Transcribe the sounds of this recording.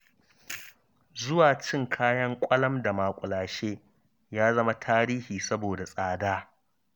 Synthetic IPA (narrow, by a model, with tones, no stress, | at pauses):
zʊ˦waː˨t͡ʃɪ˦ŋkʰaː˦jɐ˦ŋkʷʼɐ˦lɐ˦mda˨maː˨kʷʼʊ˨laː˨ʃeː˦ | jaː˦zɐ˦ma˦tʰaː˦ɾiː˦hiː˨sɐ˦boː˨da˨sʼaː˨daː˦